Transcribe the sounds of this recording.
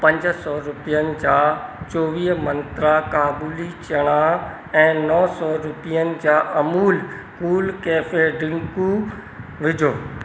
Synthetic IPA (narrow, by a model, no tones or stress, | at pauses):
pɐ̃ɲd͡ʑsɔːɾʊpijənɪ̆d͡ʑaːt͡ɕoːʋiːɦmɐ̃nt̪ɾakaːbuːlit͡ɕɐɽ̃a | ɛ̃ːnɔːsɔːɾʊpijənɪ̆d͡ʑaːʔɐmuːl | kuːlkɛːfeɖɪ̃ŋku | ʋɪd͡ʑʱoː